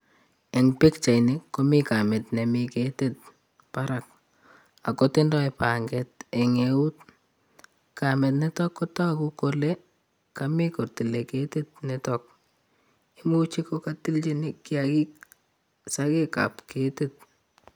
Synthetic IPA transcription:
e˨ŋpɪ˦kt͡ʃa˨inɪ˦kːo˦mi˦ka˨mɛ˨tne˨mɪkete˦t̚ | pa˦ɾa˦k̚ | a˨ko˦te˦ndɔ˦epa˨ŋɡɛt̚e˨ŋe˨u˦t̚ | ka˨mɛ˨t̬nɛ˦tɔ˦kːɔ˦tɔ˦ku˦ko˦le˦ | ka˨mi˦ko˨ti˨le˨ke˦te˦t̚nɛ˦tɔk̚ | i˦mu˦t͡ʃi˦ko˦ka˦ti˦lt͡ʃi˦nɪ˦kːi˦a˨ki˦k̚ | sa˦ke˦ka̰˨pke˨te˦t̚

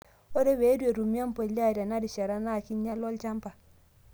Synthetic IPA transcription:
o˦de˦we˨˦du˦e˨ɾu˨mi˦a˦mpo˨la˦˨da˨na˦di˨ʃa˨ɾa˦na˦˨ki˦ɲa˦lo˦lt͡ʃa˦mpa˨

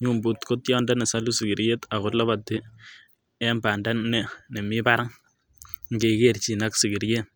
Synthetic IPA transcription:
ɲu˦mbu˨t̪ko˦tjɔ˦nda˦ne˨sa˦lu˦si˨ɡi˨ɾje˦t̪a˨ɣʊ˦rla˦βa˨tːi˦ | ɛ˦mba˨nda˦nːɛ˨ne˨mi˦pa˦ɾa˦ŋ | ŋɡe˨ke˦ɾt͡ʃi˨na˦ksi˨ɡi˨ɾje˦t

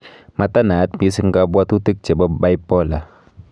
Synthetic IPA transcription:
ma˧ta˦na˨˦t̚mi˦sɨ˧ŋ˦ka˧bwa˦tu˦ti˦k̚t͡ʃe˨bɔ˦ba˦jpɔ˦˨la˨

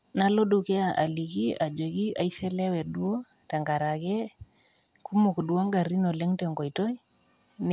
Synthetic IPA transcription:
na˦lo˦du˨kɛ˦a˨ʔa̰˨li˨ki˦a˨d͡ʒo˨ki˦a˨i˦se˦lɛ˦wɛ˨du˦o˦ | ta˨ŋɡa˨ɾa˨kɛ˦ | ku˦mo˨kdwa˦ŋɡa˨ɾi˦no˨le˦ŋtɛ˨ŋɡo˨jto˦i | n

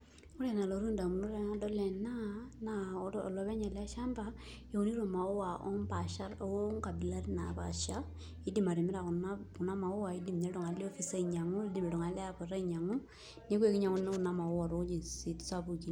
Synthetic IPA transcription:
ʊ˦ɾɛ˨na˨lo˨ɾu˦nda˨mu˨nu˦ɾa˨˦ŋa˦dɔ˦lɛ˨na˦na̰˨˦˨lɔ˨βɛ˦ɲa˨lɛ˦ʃa˦mba˨ | jo˨o˦ni˦ɾo˨ma˨ɔ˦wa˨ʔɔ̰˦ŋpa˨ʃa˦ɾɔ˦o˦ŋka˨bɪ˨la˦tna̰˨ba̰˨ʃa˦ | i˦di˦ma˨ɾi˨mɪ˦ɾa˨ku˨na˦u˨na˦ma˨ʊ˦wa˨i˦di˦˨mɲɛ˦ɾɔ˨ŋa˨le˦ɔ˦fi˨sa˦i˨ɲa˨ŋu˦di˦me˨ɾɔ˨ŋa˨lɛ˦a˨pɔ˨ɾa˦iɲa˨ŋu˦ | ne˦kwe˨kɪ˦ɲa˨ŋu˦n˦ku˨na˦ma˨ɔ˦wa˨ɾo˨˦d͡ʒi˨si˨tsa˦bu˨ki˦

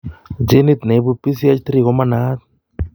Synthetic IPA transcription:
d͡ʒe˦ni˦t̪ne˨i˦bu˧pːi˦s̬i˦a˦t͡ʃt̪ɾi˦˨ɣo˨˦ma˦na˦t̪̚

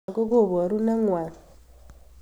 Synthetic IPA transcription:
ɡo˦ɡo˦˨βa˨ɾu˦na˦ŋwa˨n

